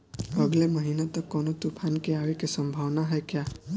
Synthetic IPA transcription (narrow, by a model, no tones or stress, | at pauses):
ʌɡlemʌɦinat̪ɔkɔnɔt̪upʰankeawikesɔmbʱawnaɦɔekja